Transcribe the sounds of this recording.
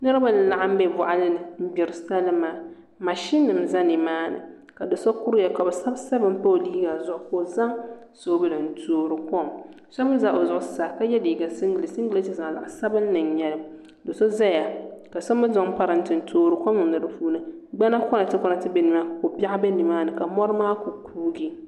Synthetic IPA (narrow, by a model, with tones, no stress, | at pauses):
nɨ˦ɾɨ˦ba˦n˨la˨ʔa˦m̩˦bɛ˦vʊ˨ʔa˦lɨ˦nɨ˨m̩˦bɪ˨ɾɨ˨sa˦lɨ˦maː˦ | ma˨ʃi˦nːɨ˨m˨za˦ni˨maː˦nɨ̰˨ | ka˨dɨ˨so˦ku˦ɾjɛ˨ka˨bɛ˨sa˦bsa˦bɨ˦m˦pa˦o˨liː˦ɡa˨zʊ˨ʔʊ˨ko˨za˦ŋso˦bɨ˦lɨ˨n̩˦tʰoː˦ɾɨ˨kɔ˦ŋ | sɔ˦bɨ˦za˦ʔo˨zʊ˨ʔʊ˨sa˨ka˦jɛ˦diː˨ɡa˨sɨ˦ŋɡɨ˨lɨ˨sɨ˦ŋɡɨ˦le˦ti˦za˨la̰˨ʔsa˦bɨ˦nː˦ɨ˨nɲɛ˦lɨ˦m | dɨ˨so˦za˦ja˨ka˨sɔ˦mɨ˦zɔ˨ŋpa˦ɾɨ˨n̩˦tɨ˨n̩˨tʰoː˦ɾɨ˨kɔ˦mɨ˨nɨ˨ɾɨ˦puː˦nɨ˦ɡ͡ba˦na˦kɔ˦na˨tɨ˦kɔ˦na˨tɨ˦bɛ˦nɨ˨ma˦˨ko˨pa˦ʔbɛ˦ni˨maː˦nɨ˨ka˨mɔ˦ɾɨ˦maː˦ko˨kʰuː˦ɡi˦